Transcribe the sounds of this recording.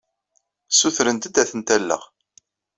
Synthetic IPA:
suθɾənt̪əd̪æθənt̪ælːə̰ʁ

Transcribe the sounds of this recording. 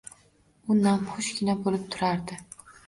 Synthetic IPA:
ʊnnamχʊʃɡʲɪnabolɪp̚t̪ʰʊɾaɾd̪ɪ

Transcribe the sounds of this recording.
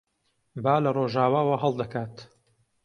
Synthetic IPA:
baːlɐroːʒaːwaːwaɦɐlˠd̪ɐkaːt̪

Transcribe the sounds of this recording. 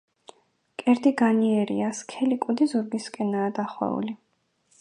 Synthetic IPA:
kʼɛɾd̪iɡaniɛɾḭaskʰɛlikʼud̪izuɾɡiskʼɛnaːd̪aχwɛ̰ṵli

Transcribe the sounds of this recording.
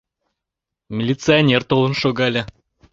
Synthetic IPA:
mʲɪlʲit̪sɨɐnʲert̪olˠə̆nʃoɡɑlʲɘ̆

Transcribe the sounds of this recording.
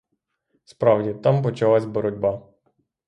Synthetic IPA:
spɾɑwdʲit̪ɑmpɔt͡ʃɐlˠasʲbɔɾɔdʲbɑ

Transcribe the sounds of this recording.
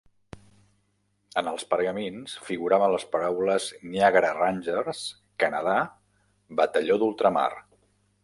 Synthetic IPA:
ənəlˠspəɾɣəminsfiɣuɾaβənləspəɾawləzniaɣɾəranʲʒərs | kənəð̞a | bət̪əʎoðulˠt̪ɾəma̰r

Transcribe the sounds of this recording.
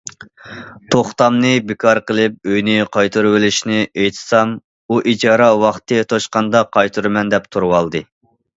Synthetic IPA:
t̪ʰoχt̪ɑmnɨbɪkʰɑɾqəlˠɪp̚øjnɪqʰɑjt̪ʰuɾwɪlɪʃnɪʔejt̪ʰɨ̥sɑm | uʔid͡ʒɑːɾɑwɑχt̪ʰɨt̪ʰoʃqɑnd̪ɑqʰɑjt̪ʰuɾɨmɛnd̪ɛp̚t̪ʰuɾwɑlˠd̪ɨ

